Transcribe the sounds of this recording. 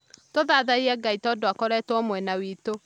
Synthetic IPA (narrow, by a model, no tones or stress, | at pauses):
toðaðaiɛɡaitɔdoakɔɾɛtwɔmwɛnawiːto